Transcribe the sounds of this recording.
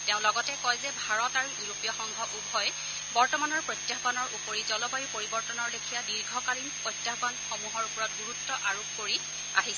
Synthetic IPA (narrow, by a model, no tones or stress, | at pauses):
teʊ̃lɔɡɔtɛkɔjzɛbʱaɹɔtaɹuuɹopijɔxɔŋɡʱɔʔubʱɔj | bɔɹtɔmanɔɹpɹojtjaɦbanɔɹʔupoɹizɔlɔbajupoɹibɔɹtɔnɔɹlekʰijadiɹɡʱɔkalinpɹojtjaxbanxomuɦɔɹpɔɹɔtɡuɹutːɔʔaɹop̚koɹi | a̰ɦis